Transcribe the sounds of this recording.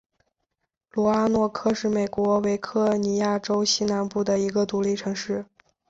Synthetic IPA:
lwɔ˧˥a˥nwɔ˥˧kʰɤ˥˧ʂɻ̩˥˩me˨˩ɪkwɔ˧˥we˧˥ɪkʰɤ˥˩ni˧˥ja˥˩ʈ͡ʂo˥ʊɕi˥na˧˥npu˥˩d̪ə˩i˧˥ɡə˧t̪u˧˥li˥˩ʈ͡ʂʰɤ˧˥ŋʂɻ̩˥˩

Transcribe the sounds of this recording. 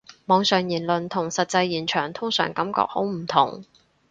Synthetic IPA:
mɔː˨˧ŋsœː˨˩ŋjiː˨˩nlɵ˨nt̪ʰʊ˨˩ŋsɐ˨t̚t͡sɐ˧jːiː˨˩nt͡ʃʰœː˨˩ŋt̪ʰʊ˥ŋsœ̰ː˨˩ŋkɐ˨˥mkɔ̰ː˧˥k̚ho̰˨˥wm̩˨˩t̪ʰʊ˨˩ŋ

